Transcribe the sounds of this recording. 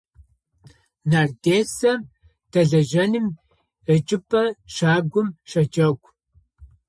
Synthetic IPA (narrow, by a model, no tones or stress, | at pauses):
naːrdeːsɐm | tʰɐɮɐʒɐnɨm | ət͡ʃʼɪpʰʼɐʂaːɡʷʊmʂɐt͡ʃʼɐkʷʰʼ